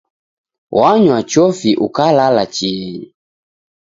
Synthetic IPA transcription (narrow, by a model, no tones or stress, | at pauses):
waɲwat͡ʃɔfiʔukalalat͡ʃii